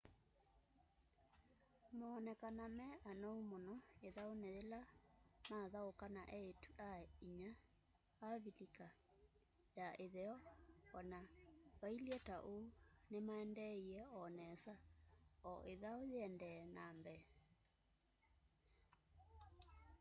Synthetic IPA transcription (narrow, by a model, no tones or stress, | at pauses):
maːnɛkanamɛʔanɔumonɔeðaonɛðelamaðaokanaʔɛetuʔaiɲaː | βilika | jaʔeðɛɔɔnaβailiɛtaʔounemaɛndɛiɛɔnɛsaɔʔeðaojɛndɛnambɛ